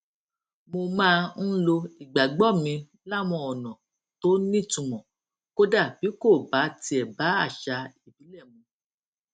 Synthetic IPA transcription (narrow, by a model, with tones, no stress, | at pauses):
mo˧mãː˦˧n̩˦lo˧i˨ɡ͡ba˨ɡ͡bɔ˦˨mĩ˧ | la˦˨w̃ɔ̃˧ɔ˨nɔ̃˨ | to˨˦nĩ˦˨tũ˨˧mɔ̃˨ | ko˦da˦˨b̥i˨˦ko˦˨ba˨˦ti˧ɛ˨ba˨˦a˦˨ʃa˧i˦˨bi˨˦lɛ˦˨mũ˧˦